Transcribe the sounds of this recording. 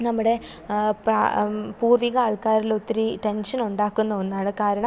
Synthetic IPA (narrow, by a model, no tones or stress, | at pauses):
nɐmːuɽe̞pra̰puːrʋiɣɐaːɭkaːɾilot̪ːiɾiʈe̞nʂɐnuɳɖaːkːunːɐonːaːɳɨkaːɾɐɳɐm